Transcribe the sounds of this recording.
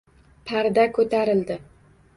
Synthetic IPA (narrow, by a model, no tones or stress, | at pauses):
pʰaɾd̪akʰɵt̪ʰaɾɪld̪ɪ